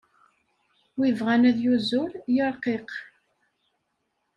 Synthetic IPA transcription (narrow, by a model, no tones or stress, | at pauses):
wivʁænæðjuzʊljəɾˤqeq